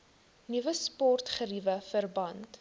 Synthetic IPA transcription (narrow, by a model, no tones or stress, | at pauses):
nivəspɔrtχərivəfərbɐnt